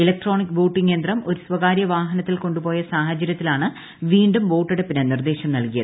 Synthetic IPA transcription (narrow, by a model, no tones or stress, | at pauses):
ilɐk̚ʈro̞ːɳikːʋo̞ːʈːiŋːe̞ːnd̪rɐmo̞ɾusʋɐɣaːɾjɐʋaːɦɐnɐt̪ːilko̞ɳɖupo̞ːjɐsaːɦɐt͡ɕːɐɾjɐt̪ːilaːɳɨ | ʋiːɳɖumʋo̞ːʈːiɽepːinɐnird̪e̞ːɕɐmnɐlkijɐðɨ